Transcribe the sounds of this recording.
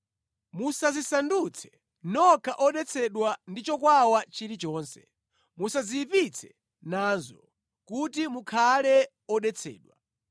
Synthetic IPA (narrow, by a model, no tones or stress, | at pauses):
musazisandut͡sʰɛ̥ | nɔkʰaʔɔɗɛt͡sʰɛɗwandit͡ʃɔkwawat͡ʃiɾit͡ʃɔːnsɛ̥ | musazipit͡sʰɛ̥ | naːnzɔ̰ | kutimukʰalɛ | ɔɗɛt͡sʰɛ̰ːɗwa